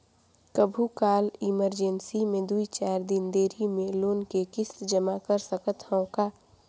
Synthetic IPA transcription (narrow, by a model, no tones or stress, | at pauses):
kəbʱukaːlɪməɾd͡ʒənsimẽd̪uit͡ʃaːɾd̪ɪnd̪eːɾimẽloːnkekɪsd͡ʒəmakəɾsəkət̪həõkaː